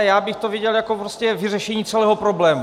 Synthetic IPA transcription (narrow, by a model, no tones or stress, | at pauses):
jaːbɪxt̪ovɪɟɛljakopɾoscɛvɪrɛʃɛɲiːt͡sɛlɛːɦopɾoblɛːmu